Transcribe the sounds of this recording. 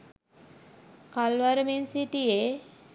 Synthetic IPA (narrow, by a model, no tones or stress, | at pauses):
kalʋaɾəmensiʈije